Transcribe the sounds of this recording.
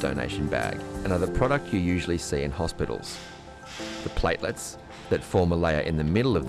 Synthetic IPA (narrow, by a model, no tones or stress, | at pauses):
d̥o̰ʊnḛɪʃn̩bæ̰ɡɨ̃nʌðə˞pʰɹ̥ɑɾɨk̚tʰjɨjʉʒl̩ˠisiɨ̰̃nhɑspɪɾl̩ˠz̥ | ðəpʰl̥eɪʔˡləts | ðɨtfɔɹməleɪə˞ʔɨ̃nðɨmɪɾl̩ˠʌvð